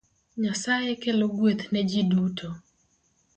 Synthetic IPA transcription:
ɲasajekeloɡwet̪nɛd͡ʒidutʰo

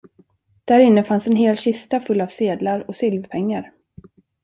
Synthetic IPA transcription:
d̪̥æɾɪnːəfansɛnɦeːlɕɪst̪afɵlːavseːd̪laɾɔsɪlvpʰɛŋːaɾ

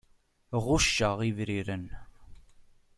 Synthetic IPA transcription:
ʁʊʃːəʁivɾiɾən

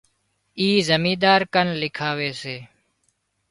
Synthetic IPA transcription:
iːzəmĩːd̪aːɾkənlɪkʰaːʋeːseː

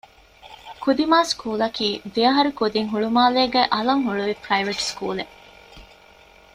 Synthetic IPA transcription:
kud̪imaːskuːlɐkiːd̪iɐɦɐɾukud̪iŋɦuɭumaːleːɡɛʔɐlɐŋɦuɭuʋipɾɐiʋɐʈskṵːle

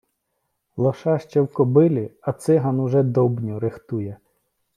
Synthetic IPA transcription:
lˠɔʃɑʃt͡ʃɛwkɔbɪlʲɪɐt̪sɪɦɐnʊʒɛd̪ɔbnʲuɾɪxt̪ujɛ

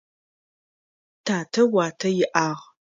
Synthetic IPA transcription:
tʰaːtʰɐwaːtʰɐjɪʔaːʁ

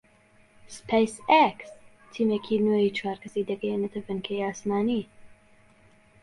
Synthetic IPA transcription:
spʰɛjsɛks | t̪ʰiːmekʰiːnoːjit͡ʃʰwaːɾkʰɐsiːd̪ɛɡɛjenɐt̪ʰɐvɨnkʰeːjaːsmaːniː

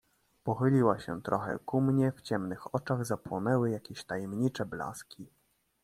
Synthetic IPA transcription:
pɔxɘlʲiwaɕɛ̰t̪ɾʔɔxɛ̰kumɲɛft͡ɕɛmnɘxɔt͡ʂaɣzapwɔnɛwɘjakʲeɕt̪ajɛmɲit͡ʂɛbla̰skʲi

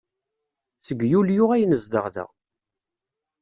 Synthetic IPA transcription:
θəɡjuljʊʁæjnəzd̪əʁðə̰ʁ

